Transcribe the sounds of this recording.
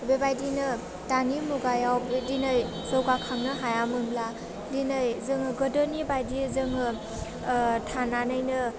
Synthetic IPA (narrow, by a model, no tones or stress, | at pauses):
bebajdinɯ | tanimuɡajawbdinɯj | sɯwkakʰaŋnɯɦajamɯnbla | dinɯjzɯŋɯɡɯdɔnibajdizɯŋɯ | tʰananɯjnɯ